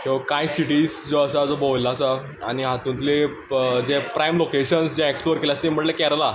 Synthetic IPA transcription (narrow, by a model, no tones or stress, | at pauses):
keʋkãjsiʈiːsd͡zoəsad͡zobəjlaːsa | añiɦat̪ũnt̪le | d͡zepɾajmlokeɕənsd͡ʑẽeksploɾkeljast̪em̤əɳʈlekɛɾla